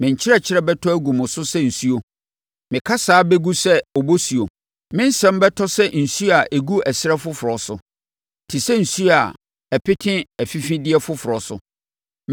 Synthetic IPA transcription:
mɪ̃˨ɲ˨t͡ɕʰɪ˦ɛ˦˨t͡ɕʰɪ˦ɾɛ˦bɛ˦tʰɔ˦æ˦ɡu˨mʊ̃˨sʊ˦sɛ˦n̩˨su˦o˨ | mɪ̃˨kʰa˦saː˨˦bɛ˦ɡu˦sɛ˦ɔ˨bo˦si˨o˨ | mɪ̃˦n̩˦sɛ̃˦mbɛ˦tʰɔ˦sɛ˦n̩˨su˦a˨ʔe˨ɡu˦ɛ˨sɪ˦ɾɛ˦fʊ˦fʊ˨ɾɔ˨sʊ˨ | tʰi˨sɛ˦n̩˨su˦a˨ | æ˨pʰɪ˦tʰɪ̃˦æ˨fi˦fĩ˦dɪ˦ɛ˦fʊ˦fʊ˨ɾɔ˨sʊ̰˨

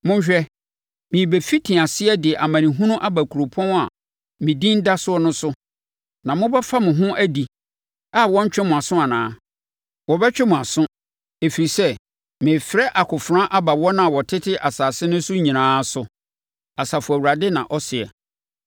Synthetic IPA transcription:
mʊ̃˦ɲ˦ɕᶣɛ˦ | mĩ˨bɛ˨fi˦tʰĩ˨a˨sɪ˦ɛ˦dɪ˨ɛ˨ʔa˨mã˨nĩ˨ɦũ˦nʊ̃˦ʔa˦bæ˨kʰu˨ɾo˨pʰɔ̃˦n˦a˨ | mɪ̃˨dĩ˦n̩˦da˦sʊ˦ɔ˦nʊ̃˦sʊ˦ | nã˨mʊ̃˦bɛ˦fa˦mʊ̃˨ɦʊ̃˦ʔæ˦di˨ | a˦wɔ̃˦ɲ˦t͡ɕᶣɪ˦mʊ̃˨a˨sʊ̃˦a˨nãː˨˦ | wɔ˨bɛ˦t͡ɕᶣɛ˦mʊ̃˨a˨sʊ̃˦ | e˨fi˨ɾi˨sɛ˦ | mɪ̃˨fɪ˨ɾɛ˦ʔa˨kʰʊ˨fɾã˦ʔa˦ba˨wɔ˦nã˦˨wɔ˨tʰɪ˦tʰɪ˦ʔa˨saː˨sɪ˦nʊ̃˦sʊ˦ɲĩ˨nãː˦sʊ˨ | a˨sa˨fʊ˨æ˨wu˨ɾa˨dɪ˦nã˨ʔɔ˦sɪ˨ɛ̰˨

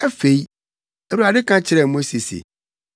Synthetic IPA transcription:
ɛ˦fe˨i˦ | ɛ˨wu˨ɾa˨dɪ˦kʰã˦t͡ɕʰɪ˨ɾɛ˨mʊ̃˦se˨sḛ˨

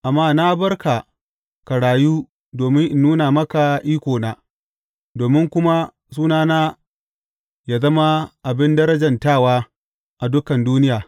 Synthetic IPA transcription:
ʔa˨mːaː˦na˦bɐ˦rka˨ | ka˨ɽaː˨juː˦ | doː˨mɪ˦ŋʔɪ˨nːuː˦na˨mɐ˦ka˨ʔiː˦kʷoː˨naː˦ | doː˨mɪ˦ŋkʷʊ˦ma˦ | suː˦naː˦naː˦ | jaː˨zɐ˦ma˦ʔa˨bɪ˦ndɐ˦ɾɐ˦d͡ʒɐ˨ntaː˦˨waː˦ | ʔa˨dʊ˦kɐ˨nduː˦nɪ˦jaː˨

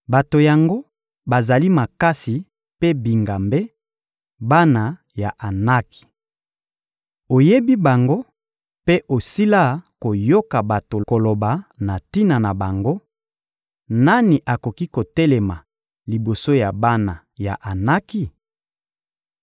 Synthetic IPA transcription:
ba˨to˨ja˨ŋɡo˦ | ba˨za˨li˦ma˨ka˦si˨ | pe˦bi˨ŋɡa˨mbe˦ | ba˦na˨ | ja˨ʔa˨na˦ki̥˨ | o˨je˦bi˦ba˨ŋɡo˦ | pe˦ʔo˨si˦la˦ko˨jo˦ka˨ba˨to˨ko˨lo˨ba˨na˨ti˦na˨na˨ba˨ŋɡo˦ | na˦ni˨ʔa˨ko˨ki˦ko˨tɛ˦lɛ˨ma˨ | li˨bo˨so˦ja˨ba˦na˨ | ja̰˨ʔa˨na˦ki˦

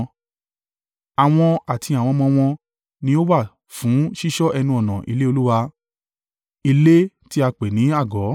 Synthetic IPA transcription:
a˨w̃ɔ̃˧a˨tʰi˧a˨w̃ɔ̃˧mɔ̃˧w̃ɔ̃˧ | nĩ˧˦o˦wa˦˨ | fũ˨˦ʃi˦ʃɔ˦ʔɛ˧nũ˧ɔ˨nã˨ʔḭ˧le˦o˧lu˦wa˧ | i˧le˦ | ti˦a˧k͡pe˨nĩ˨˦a˦˨ɡɔ˨˦

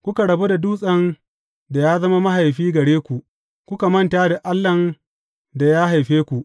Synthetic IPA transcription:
kʷʊ˦ka˨ɽɐ˨bu˦da˨duː˦sʼɐ˦n | da˨jaː˦zɐ˦ma˦ma˦ha˨jɸiː˦ɡɐ˨ɽeː˦kʷu˨ʔ | kʷʊ˦ka˨mɐ˦ntaː˦da˨ʔa˦lːɐ˨n | da˨jaː˦ɦa˨jɸeː˦kʷu˨ʔ

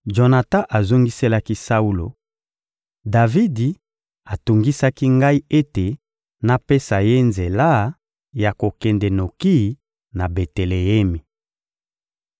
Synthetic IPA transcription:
ʒo˨na˨ta˦ʔa˨zo˦ŋɡi˦se˦la˦ki˦sa˦u˦lo̰˨ | da˨vi˦di˨ | a˨tu˨ŋɡi˦sa˦ki˦ŋɡa˦i˦e˦te˨ | na˨pe˦sa˨je˦nze˨la˦ | ja˨ko˨kɛ˨nde˨no˨ki˦˨˦ | na˨be˨te˨le˨e˦mi˨

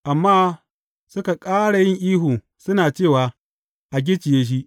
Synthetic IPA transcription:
ʔa˨mːaː˦˨ | sʊ˦ka˨kʼaː˦ɽa˨jɪ˦ŋʔiː˦ɦuː˨ | sʊ˦naː˨t͡ʃeː˦˨waː˨ | ʔa˨ɡ̬ʲɪ˦t͡ʃɪ˨jeː˦ʃ̬i˦ʔ

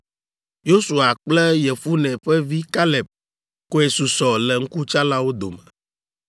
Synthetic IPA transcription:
jo˦su˨a˨k͡plɛ˦jɛ˨fu˦nɛ̃˨ɸɛ˦vi˦ka˦lɛ˨p̚ | ko˦ɛ˨su˨sɔ˨lɛ˨ŋ̩˦ku˦t͡ʃa˦la˦wo˦d̪o̰˨mɛ˨

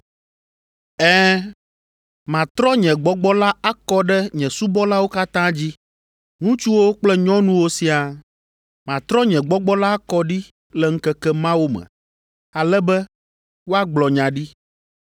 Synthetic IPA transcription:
ɛ˦ | mã˨t̪ɾɔ˦ɲɛ̃˨ɡ͡bɔ˦ɡ͡bɔ˦la˦a˦kɔ˦ɖɛ˦ɲɛ̃˨su˦bɔ˦la˦wo˦ka˦t̪ã˦d͡ʑi˦ | ŋũ˦t͡ʃu˦wo˦k͡plɛ˦ɲɔ̃˦nũ˦wo˦si˦a˨ | mã˨t̪ɾɔ˦ɲɛ̃˨ɡ͡bɔ˦ɡ͡bɔ˦la˦a˦kɔ˦ɖi˦ | lɛ˨ŋ̩˦kɛ˦kɛ˦mã˦wo˦mɛ̰̃˨ | a˨lɛ˦bɛ˦ | wo˦a˦ɡ͡blɔ˨ɲã˨ɖi˦

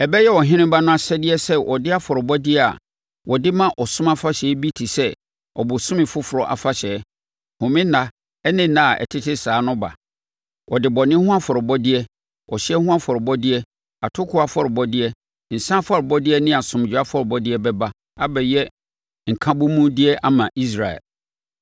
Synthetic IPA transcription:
ɛ˨bɛ˦jɛ˦wɔ˨ɦɪ̃˦ñɪ̃˦mba˦nʊ̃˦a˨sɛ˦dɪ˦ɛ˦sɛ˦wʔɔ˨dɪ˦a˦fɔ˨ɾɪ˨bɔ˦dɪ˦ɛ˦a̰˨ | wɔ˨dɪ˦mã˦ʔɔ˨sʊ̃˦ma˦fa˦ɕɛ˨˦bi˦tʰi˨sɛ˦ | ɔ̰˨bʊ˨sʊ̃˦mɪ̃˨fʊ˦fʊ˨ɾɔ˦ʔa̰˨fa˦ɕɛː˨˦ | hʊ̃˨mɪ̃˦nã˨ | ɛ˦nɪ̃˦˨nã˨a˨ʔɛ̰˨tʰɪ˦tʰɪ˦saː˨˦nʊ̃˦ba̰˨ | wʔɔ˨dɪ˨bɔ˨nɪ̃˦hʊ̃˦a˦fɔ˨ɾɪ˨bɔ˦dɪ˦ɛ˦ | wɔ˨ɕɛ˦hʊ̃˦a˦fɔ˨ɾɪ˨bɔ˦dɪ˦ɛ˦ | a˨tʰʊ˦kʰʊ˦a˨fɔ˦ɾɪ˨bɔ˦dɪ˦ɛ˦ | n̩˨sã˦fɔ˦ɾɪ˨bɔ˦dɪ˦ɛ˦nɪ̃˦a˨sʊ̃˨m˨d͡ʑᶣa˦fɔ˦ɾɪ˨bɔ˦dɪ˦ɛ˦bɛ˦ba˦ | a˦bɛ˨jɛ˦ | ŋ̩˨kʰã˦bʊ˦mũ˦dɪ˦ɛ˦ʔa˦mã˨ʔi˦s̬ɾa˨ɛ̰˨l

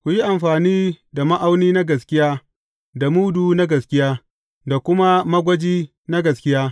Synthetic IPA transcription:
kʷu˨ji˦ʔa˨mɸaː˨niː˦da˨mɐ˦ʔa˦wniː˦na˦ɡɐ˨skʲɪ˦jaː˦ | da˨muː˦duː˨na˦ɡɐ˨skʲɪ˦jaː˦ | da˨kʷʊ˦ma˦mɐ˦ɡʷɐ˦d͡ʒiː˦ | na˦ɡɐ˨skʲɪ˦jaː˦

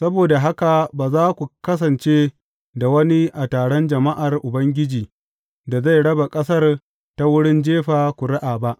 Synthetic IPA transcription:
sɐ˦boː˨da˨ɦa˦ka˨baː˨zaː˦kʷu˨kɐ˦s̬ɐ˨nt͡ʃe˦ | da˨wɐ˦ni˦ʔa˨taː˨ɽɔ˦nd͡ʒɐ˨ma˦ʔa˨rʔʊ˨bɐ˦ŋɡʲɪ˦d͡ʒiː˨ | da˨za˦˨jɽɐ˦ba˨kʼɐ˦sɐ˦r | ta˦wʊ˦ɽɪ˦nd͡ʒeː˦ɸaː˨kʷu˨ɽa˦ʔaː˨ba˦ʔ

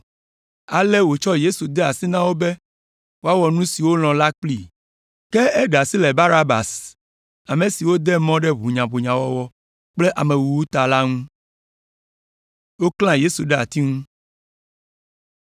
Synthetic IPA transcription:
a˨le˦wo˨t͡ʃɔ˦je˦su˨d̪ɛ˦a˨si˦nã˦wo˦be˦ | wo˦a˦wɔ˨nũ˦si˨wo˦l̃ɔ̃˨la˦k͡pli˨ | ke˦ɛ˦ɖa˨si˦lɛ˨ba˦ɾa˦ba̰˨s | a˨mẽ˨si˨wo˦d̪ɛ˦mɔ̃˦ɖɛ˦βu˨ɲã˨bo˨ɲã˨wɔ˦wɔ˦ | k͡ple˦ʔa˨mẽ˨wu˨wu˦t̪a˨la˦ŋũ˦ | wo˦klã˦je˦su˨ɖɛ˦a̰˨t̪i˦ŋũ˦

